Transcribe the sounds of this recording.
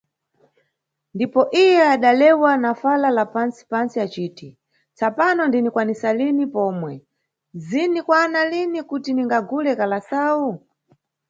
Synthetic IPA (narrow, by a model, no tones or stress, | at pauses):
ndipɔʔijɛaɗalɛwanafalalapansi̥pansiat͡ʃiːti | t͡sapanɔndinikwanisalinipɔːmwɛ | zinikwanalinikutiniŋɡaɡulɛkalasau